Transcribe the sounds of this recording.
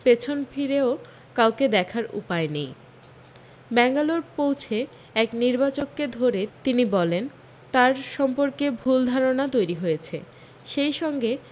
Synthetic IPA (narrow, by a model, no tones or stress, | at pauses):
pet͡ɕʰonfʰiɾeo | kawked̪ɛkʰaɾṵpaenej | bɛŋɡaloɾpowt͡ɕʰe | ɛkniɾbat͡ɕokkːed̪ʱoɾet̪inibɔlen | t̪aɾʃɔmpoɾkebʱuld̪ʱaɾonat̪ojɾiɦojet͡ɕʰḛ | ʃejʃɔŋɡe